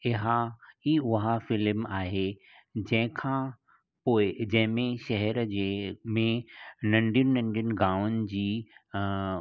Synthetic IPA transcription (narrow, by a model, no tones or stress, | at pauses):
ɪɦaiːʊɦafɪlmaːɦe | d͡ʑɐ̃ɦɪ̃kʰãː | poːɪd͡ʑɐ̃ɦɪ̃mẽʃɐɦɛɾd͡ʑemẽnɐ̃ɳɖʱijʊnɪnɐ̃ɳɖijʊnɪ̆ɡaːʋʊnɪ̆d͡ʑiː